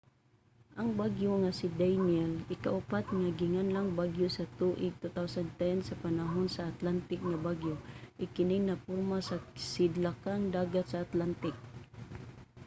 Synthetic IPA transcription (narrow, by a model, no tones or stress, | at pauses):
ʔaŋbaɡjoŋasɪd̪ajnɛlɪkaʔʊpat̪̚ŋaɡɪŋanlaŋbaɡjosɐt̪uʔɪɡ̚t̪ut̪awsand̪t̪ɛnsɐpanaɦonsaat̪lant̪ɪk̚ŋabaɡjoʔɪkɪnɪŋnapʊɾmasasɪd̪lakaŋd̪aːɡat̪saːt̪lant̪ɪk̚